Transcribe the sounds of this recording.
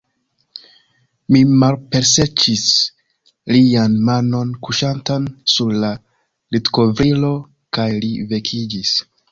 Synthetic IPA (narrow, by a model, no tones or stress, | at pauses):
mimalpe̞ɾse̞t͡ʃis | lianmano̞nkuʃantansuɾla | litko̞vɾilo̞ | kajlive̞kʰid͡ʒis